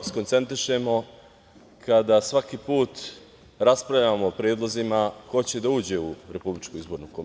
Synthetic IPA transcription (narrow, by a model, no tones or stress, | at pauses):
skont̪se̞nt̪ɾiʃe̞mo̞ | kad̪asʋakipuːt̪ | ɾaspɾavʎamoːpɾʲjeːd̪lˠozimako̞t͡ɕe̞d̪auːd͡ʑe̞uɾe̞publit͡ʃkuizbo̞ːɾnukom